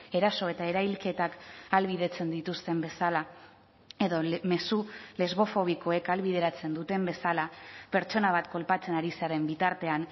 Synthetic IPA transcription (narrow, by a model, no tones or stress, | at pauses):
e̞ɾaso̞e̞t̪ae̞ɾajlke̞t̪akalβiðe̞t͡se̞nd̪it̪ust̪e̞mbe̞sala | e̞ðo̞me̞sule̞zβo̞fo̞β̞iko̞e̞kalβið̞e̞ɾat͡se̞nd̪ut̪e̞mbe̞salape̞ɾt͡ʃo̞naβ̞at̪ko̞lpat͡se̞naɾiseaɾe̞mbit̪aɾt̪e̞an